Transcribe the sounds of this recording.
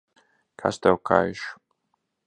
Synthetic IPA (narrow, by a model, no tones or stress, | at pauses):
kʰa̰st̪ɛwkʰa̰jʃ